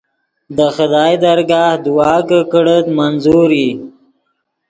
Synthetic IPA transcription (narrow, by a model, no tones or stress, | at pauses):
d̪əxɪd̪ɑːjd̪aɾɡɑːhd̪uwɑːkəkəɽət̪manzuɾi